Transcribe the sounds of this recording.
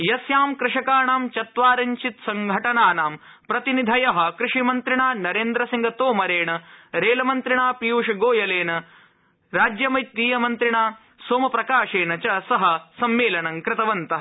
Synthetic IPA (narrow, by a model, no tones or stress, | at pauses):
jɐsjaːmkɾɪʂɐkaːɳaːmt͡ʃɐt̪ʋaːɾɐɲt͡ʃit̪sɐŋɡʱɐʈɐnaːnaːm | pɾɐt̪inid̪ʱɐjɐɦɐ̆kɾɪʂimɐnt̪ɾiɳaːnɐɾeːnd̪ɾɐsiŋɡɐt̪oːmɐɾeːɳɐɾeːlɐmɐnt̪ɾiɳaːpijuːʂɐɡoːjɐleːnɐ | ɾaːd͡ʒjɐmɐjt̪ːiːjɐmɐnt̪ɾiɳaː | soːmɐpɾɐkaːʂeːnɐt͡ʃɐsɐɦɐ̆sɐmːeːlɐɳɐŋkɾɪt̪ɐʋɐnt̪ɐɦɐ